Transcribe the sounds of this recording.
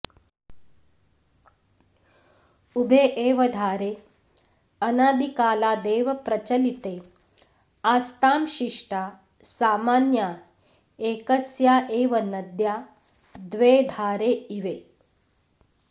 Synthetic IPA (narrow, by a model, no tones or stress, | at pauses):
ubʱeːʔeːʋɐd̪ʱaːɾeː | ɐnaːd̪ikaːlaːd̪eːʋɐpɾɐt͡ʃɐlit̪eː | aːst̪aːmʃiʂʈaː | saːmaːnjaː | eːkɐsjaːʔeːʋɐnɐd̪jaː | d̪ʋeːd̪ʱaːɾeːiʋeː